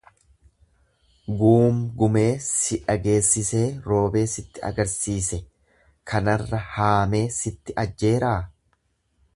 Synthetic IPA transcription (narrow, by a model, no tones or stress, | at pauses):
ɡuːmɡʊme̞ːsɪᶑɐɡe̞ːsːɪse̞ːɾo̞ːbe̞ːsɪt̪ːɪɐ̰ɡɐɾsiːsɛ | kʰɐnɐrːɐhaːme̞ːsɪt̪ːɪʔɐd͡ʒːe̞ːɾaː